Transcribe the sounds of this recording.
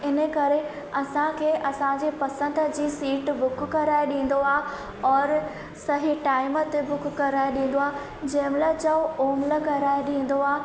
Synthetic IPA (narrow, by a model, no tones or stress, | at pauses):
ɪnə̆kɐɾe | ɐsãkʰeːʔɐsãd͡ʑeːpɐsə̃nd̪d͡ʑiːsiːʈbʊkkɐɾaːeɗĩːn̆d̪oaː | ɔːɾ | sɐɦiʈaːɪmət̪ebʊkːkːɐɾaːeɗĩːn̆d̪oaː | d͡ʑɐ̃ɦɪmlət͡ɕɐʋoːmlə̆kɐɾaːeɗĩːn̆d̪oaː